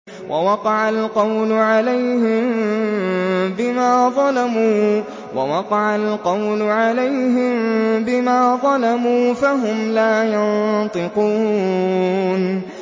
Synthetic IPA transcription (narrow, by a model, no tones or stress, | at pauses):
wʔawɑqɑʕalqɑwlʊʕalajhɪm | bɪmaːðˤɑlamuː | wa̰wɑqɑʕalqɑwlʊʕalajɦɪmbɪmaːðˤɑlamuːfaɦʊmlaːjɑnt̪ˤɨquː | n